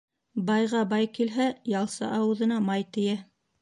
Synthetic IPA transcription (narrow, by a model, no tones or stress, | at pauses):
bɑjʁɑbɑjkilɦæjɑlˠsɑ̰ʔɑwɤ̆ðɤ̆nɑmɑjt̪ɘ̆jæ